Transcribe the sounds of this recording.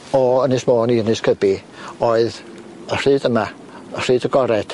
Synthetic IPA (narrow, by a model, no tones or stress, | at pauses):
ɔənɨsmoːniənɨskʰəbi | oːɨð | ər̥ɨːdəma | ər̥ɨːdəɡɔɾɛd̥